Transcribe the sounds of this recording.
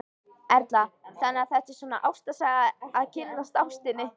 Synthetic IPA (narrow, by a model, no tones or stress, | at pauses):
ɛɾt̪laθanːɪaθɛht̪ːɪsɔːnaʔa̰wst̪asaɣaːðcʰɪlnast̪awst̪ɪnːɪ